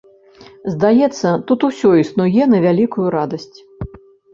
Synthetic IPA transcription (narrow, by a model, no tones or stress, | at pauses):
zd̪ajɛt̪sːɐt̪ut̪usʲɔisnujɛnɐvʲalʲikujuɾad̪ɐsʲt͡sʲ